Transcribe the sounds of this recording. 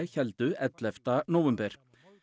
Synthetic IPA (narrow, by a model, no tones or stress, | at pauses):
çɛld̪ʉʔɛt̪lœft̪ɑnʊʋɛmbəɾ